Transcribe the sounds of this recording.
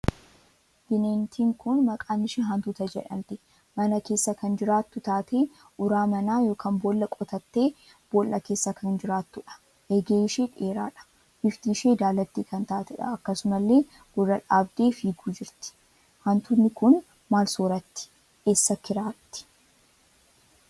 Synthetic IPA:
b̥ɪneːnt̪ʰiːŋkʊnmɐkʼaːnɪʃeːɦɐnt̪ut̪ɐd͡ʒɛ̰ᶑɐ̰nt̪ɪ̥ | mɐnɐke̞ːsːɐkɐnd͡ʒɪɾaːt̪ːʊt̪aːt̪e | ʔʊɾaːmɐnaːjo̞ːkʰɐnboːlːɐkʼɔt̪ɐt̪ːe̞ː | b̥oːlʔɐke̞ːsːɐkɐnd͡ʒɪɾaːt̪ːʊᶑɐ̥ | ʔeːɡeːɪʃeːᶑeːɾaːᶑɐ̥ | hɪft̪iːʃe̞ːd̪aːlɐt̪ːiːkɐnt̪aːt̪ɛᶑɐ̰ɐkːɐsʊmɐlːe̞ː | ɡ̥ʊrːɐᶑaːbd̪e̞ːfiːɡuːd͡ʒɪɾt̪ɪ̥ | hɐnt̪ʊnːɪkʊn | maːlsoːɾɐt̪ːɪ̥ | eːsːɐkɪɾaːt̪ːɪ̥

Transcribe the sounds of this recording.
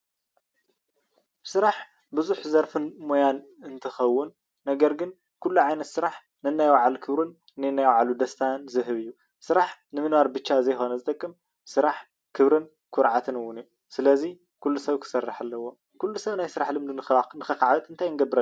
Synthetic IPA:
sɨɾaħ | bɨzuħzɐɾfɨnmojan | ɨnt̪ʰɨxɐwːʊnː | ɐɡɐɾɡɨn | kʰulːuʕajnɐt̪sɨɾaħ | nɨnːajwaʕalukʰɨβɾun | nɨjnːajwaʕalud̪ɐst̪ʰanzɨɦɨβɨjːu | sɨɾaħnɨmɨnwaɾbɨt͡ʃːazɐjxo̞nɐzɨt̪ʼɐkʼːɨm | sɨɾaħ | kʰɨβɾɨn | kʰʊɾʕat̪ʰɨnɨwːʊnɨju | sɨlɐzi | kʰulːusɐβkʰɨ̥sɐrːaħalːɐwo̞ | kʰulːusɐwnajsɨɾaħlɨmd̪unnɨxɐkaʕbɨt̪ʼɨnt̪ʰajɨnɡɐbɨɾa

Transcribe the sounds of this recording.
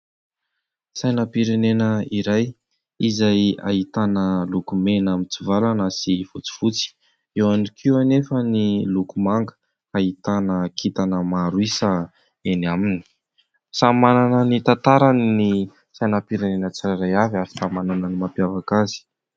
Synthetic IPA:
sajnəpiɾenenəiɾaj | izaja̰it̪anəlukumenamit͡sivalanəsifut͡si̥fut͡si̥ | ewanikʰianefənilukumaŋɡə̥ | ait̪anəkʰit̪anəmaɾuisə | enamini̥ | samananənit̪ant̪aɾanni | sajnapiɾenenət͡saɾaɾajavaɾi̥samananənimapjavakazi̥

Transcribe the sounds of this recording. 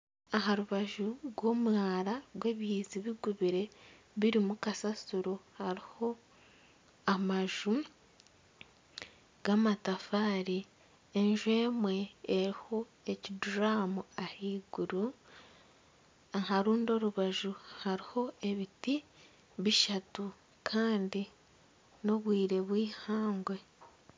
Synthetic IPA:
aɦaɾuβaʒuɡwo̞ːmwaːɾaɾwe̞ːβjiːziβiɡuβiɾe̞ | βiɾimukasasuɾohaɾiho̞ | amaʒu | ɡ̥amatafaːɾi | eɲʒwe̞ːmwe̞ːɾiho̞ | e̞ciduɾaːmuahiːɡuɾu | aɦaɾuːndo̞ɾuβaʒuhaɾiho̞e̞βiti | βiʃatu | kʰaːndi | no̞βwiːɾe̞βwiːhaːŋɡwe̞

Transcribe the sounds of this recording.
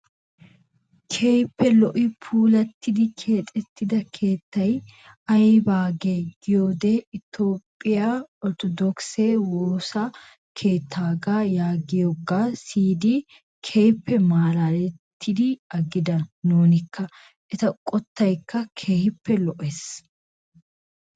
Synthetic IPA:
kʰeːjpːɛlɔʔɪpʰuːlɐt̪ːɪd̪ɪkʰeːt̪ʼɛt̪ːɪd̪ɐkʰe̞ːt̪ːɐj | ɐjbaːɡeːɡɪjoːd̪ɛɪt̪o̞ːpʼːɪjaɔɾt̪ɔd̪ɔksewoːsɐ | kʰe̞ːt̪ʰːaːɡajaːɡɪjoɡaːsiːd̪ɪ | kʰeːhɪpːɛmaːɾalɛt̪ʰːɪd̪ɪɐɡɪd̪ɐnoːnɪkːɐ | ʔɛt̪ɐkʼɔt̪ːɐjkːɐkʰe̞ːhɪpːɛlɔʔes

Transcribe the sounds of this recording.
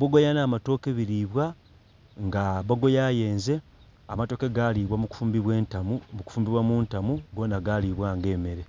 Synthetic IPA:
bwoɡojanaːmato̞ːkeβiɾiβwa | ŋɡaβoɡo̞jaje̞ːnze̞ | amato̞ːkeɡaliβwamuku̥fuːmbiβweːntamumuku̥fuːmbiβwamuːntamuɡo̞ːnaɡaliβwaːŋɡe̞ːme̞ɾe̞

